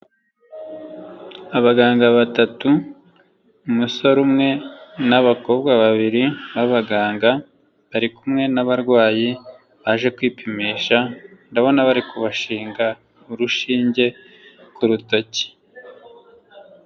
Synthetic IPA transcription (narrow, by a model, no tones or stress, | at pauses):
aβaɡaːŋɡaβatatu | umuso̞ɾumŋe̞naβako̞ːbɡwaβaβiɾiβaβaɡaːŋɡa | βaɾikumŋe̞naβaɾɡwaːji | βaʒe̞kwiːpimiːʃandaβo̞naβaɾikʰuβaʃiːŋɡa | uɾuʃiːɲɟe̞ | kuɾutaci̥